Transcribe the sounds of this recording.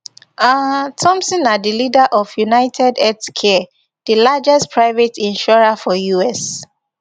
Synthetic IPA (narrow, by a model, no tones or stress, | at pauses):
atʰɔ̃msɔ̃nadilidaʔɔfjunaɪtʰɛdɛtkʰɛ | dilad͡ʒɛstpʰɹaɪvɛtĩnʃɔɹafɔjuɛs